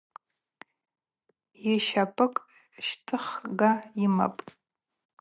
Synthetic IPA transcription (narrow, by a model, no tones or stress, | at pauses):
jiʃapʰʼɨkʼ | ʃtʰɨχɡaima̰pʼ